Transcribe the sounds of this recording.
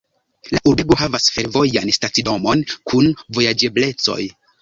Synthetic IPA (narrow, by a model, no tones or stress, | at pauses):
laʔubeɡo̞ɦavasfe̞ɾvo̞janstat͡sido̞mo̞nkʰunvo̞jad͡ʒe̞ble̞t͡so̞̰j